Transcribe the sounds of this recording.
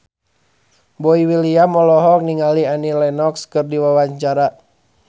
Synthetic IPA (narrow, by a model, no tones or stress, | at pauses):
bɔiwiliamɔlɔɦɔk̚niŋalianilɛnɔkskɨrdiwawaɲt͡ʃaɾa